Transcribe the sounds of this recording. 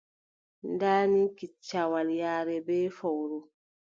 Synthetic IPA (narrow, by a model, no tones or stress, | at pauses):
ndaːnikit͡ʃːawaljaːɾɛbɛːfɔwɾu